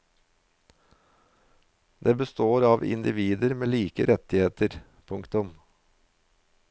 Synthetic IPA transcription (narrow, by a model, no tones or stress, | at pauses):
d̪eːbəst̪oːɾɑːʋɪ̰nd̪ɪʋiːd̪əɾmeːliːkəɾʔɛt̪ɪheːt̪əɾ | pʰʊŋkt̪ʊm